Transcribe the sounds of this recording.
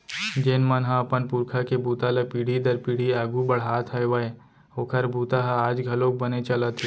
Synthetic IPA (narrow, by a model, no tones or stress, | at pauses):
d͡ʒeːnmənɦãɐpənpʊɾkʰakebʱuːt̪aləpiːɽ̤id̪əɾpiːɽ̤iaːɡubɐɽ̤aːt̪ʰɐjʋəe | oːkʰəɾbʱuːt̪aɦaaːd͡ʒɡʱɐlõk̚bɐnet͡ʃɐlət̪e